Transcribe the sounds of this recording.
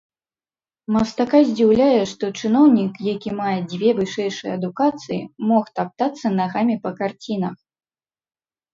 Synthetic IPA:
mɐst̪akazʲd͡zʲiwlʲajɛʂt̪ɔt͡ʂɨn̪ɔwnʲikjakʲimajɛd͡zʲvʲɛvɨʂɛjʂɨjɛɐd̪ukat̪sɨjḭmɔxt̪ap̚t̪at̪sːɐnaɣamʲipɐkart͡sʲin̪ɐx

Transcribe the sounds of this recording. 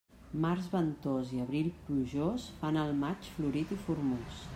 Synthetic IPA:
marzβənt̪oziəβɾilˠpluʒosfanəlˠmat͡ʃfluɾit̪ifuɾmus

